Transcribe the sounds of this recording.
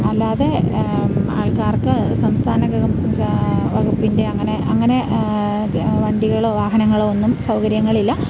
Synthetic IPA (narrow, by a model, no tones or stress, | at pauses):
ɐlːaːðe | aːɭkaːrkɨsɐmst̪ʰaːnɐ | ʋɐɣupːinde̞ɐŋːɐne̞ʔɐŋːɐne̞ | ʋɐɳɖiɣɐɭoːʋaːɦɐnɐŋːɐɭoonːumsɐwkɐɾjɐŋːɐɭilːɐ